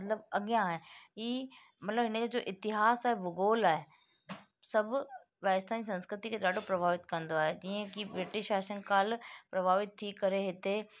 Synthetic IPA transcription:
ɐt̪ləbɐɡjãɦẽiː | mɐt̪ləbɦɪned͡ʒoːʔɪt̪ɪɦaːsaːɦebʊɡoːlaːɦe | sɐb | ʋaːst̪ʰaːnis̬ɐ̃nskɾɪt̪iked̪aːɖopɾɐbʱaːʋɪt̪kɐ̃nd̪oaːɦed͡ʑiːə̃kibɾɪʈɪʃaːʃə̃ŋɡkaːlpɾɐbʱaːʋɪt̪̚t̪ʰːikɐɾeɦɪt̪e

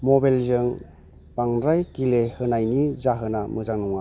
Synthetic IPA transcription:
mɔbajlzɯŋ | b̥aŋɾajkilehɯnajnizaɦɯnamɯzaŋnuŋa

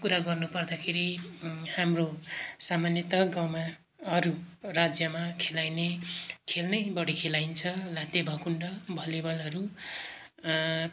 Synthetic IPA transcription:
kuɾaɡʌrnupʌrd̪akʰeɾihamrosamanjʌt̪ʌɡawma | ʌɾurad͡zjʌmakʰelajnekʰelnʌjbʌɽikʰelajnt͡sʰʌlat̪ebʱʌkuɳɖʌbʱʌlibʌlʌɾu

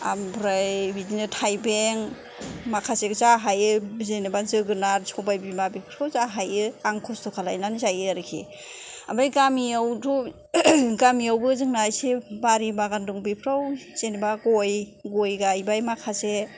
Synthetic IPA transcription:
ambɾajbidinɯtʰajbeŋ | makʰaseɡzaɦajɯzenebazɯɡɯnaɾsʰɔwbajbimabipʰɾawzaɦajɯaŋkʰɔstʰɔkʰalajnanizajɯaɾɯkʰḭ | a̰bajɡamiawdɔ | ɡamiawbɯzɯŋnajsebaɾibaɡanduŋbipʰɾawz̥enebaɡɔjɡɔjɡajbajmakʰase

